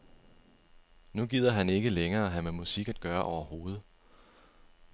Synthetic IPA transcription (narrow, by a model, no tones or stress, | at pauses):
nuɡ̥ið̰ˠɐɦæne̝ɡ̥əleŋɐːɦæmemusiɡ̥æd̥̚ɡ̥ɶːɐʔɒʊɐho̝ːð̞̩ˠ